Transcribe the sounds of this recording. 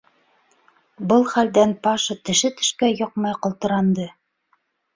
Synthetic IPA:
bɤlˠχæld̪ænpɑʃɤt̪ɘ̆ʃɘt̪ɘ̥̆ʃkæjoqmɑjqŏlˠt̪ɤ̆ɾɑnd̪ɤ

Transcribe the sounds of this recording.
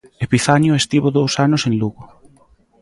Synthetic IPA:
epiθaɲʊest̪iβoðowsanʊsenluɣo

